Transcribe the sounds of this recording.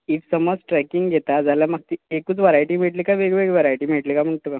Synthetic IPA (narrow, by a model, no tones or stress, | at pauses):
it̪səməd͡zʈɾɛkiŋɡɡʱet̪ad͡zaljamaɡ̚t̪iekut͡sʋəɾajʈiːm̤eʈlikaʋeɡʋeɡʋəɾajʈim̤eʈlikam̤əɳt̪oka